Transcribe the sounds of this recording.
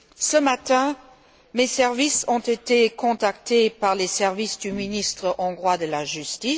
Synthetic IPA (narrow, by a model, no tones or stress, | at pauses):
səmat̪ɛ̃ | mesɛʁvisɔ̃t̪et̪ekɔ̃t̪akt̪epaʁlesɛʁvisd̪yminist̪χəʔɔ̃ɡʁwad̪əlaʒyst̪i